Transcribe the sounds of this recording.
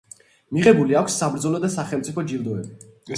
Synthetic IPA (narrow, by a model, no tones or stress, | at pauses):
miʁɛbuliakʷʰsːabɾd̪zɔlɔd̪asaχɛlˠmt̪sʼipʰɔd͡ʒilˠd̪ɔɛbi